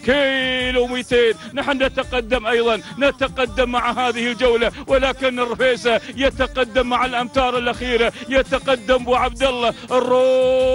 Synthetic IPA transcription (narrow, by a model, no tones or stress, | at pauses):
kelumit̪eːnːaħnːat̪aqad̪ːamʔajðˤɑnnːat̪aqad̪ːamːaʕɦaːðɪhɪld͡ʒawlawɪlaːkɪnːɪrːfeːsajat̪aqad̪ːamːaʕalʔamt̪ɑːɾˤɪlʔaxiːɾajat̪aqad̪ːambuʕab̚d̪alːɑʔrːuː